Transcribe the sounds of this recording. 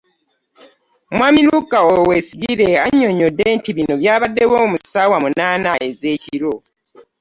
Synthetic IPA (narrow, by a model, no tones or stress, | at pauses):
mwaːmiluɡaowesiɡiɾe̞aɲːo̞ɲo̞dːe̞ːntiβino̞βjaːβadːe̞wo̞ːmusawamunaːnaʔe̞ze̞ːciɾo